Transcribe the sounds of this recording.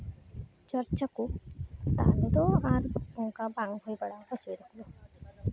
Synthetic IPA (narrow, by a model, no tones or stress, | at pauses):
t͡ʃɔɾt͡ʃakut̪a̰led̪ɔaɾbuŋkabaŋɦojbɛɽabɔsujd̪ɔkʰlo